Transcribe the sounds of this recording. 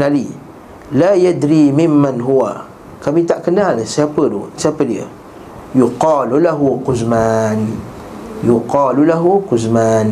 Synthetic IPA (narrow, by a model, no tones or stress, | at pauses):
nali | laːjad̪ɾimɪmːanɦuwa̰ | kamit̪aʔkənalnsəapədo̰siapədiə̰ | juqɑːlulaɦuqʊzman | juqɑːlulaɦuquzman